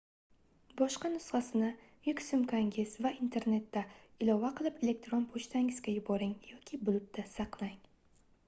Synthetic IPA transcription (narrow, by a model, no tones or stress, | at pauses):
bɒʃqɑnʊsχɑsɪnɪ | jʊkʲsɪmkʰaŋʲɪzvaint̪ʰe̞ɾne̞t̪ːaɪlˠɒvaqʰɨlˠɪpe̞le̞k̚t̪ɾonpʰot͡ʃt̪ʰaŋɪz̥ɡʲajʊbɒɾɪŋjɒkʲʰɪbʊlˠɪp̚t̪ʰasɑqlˠaŋ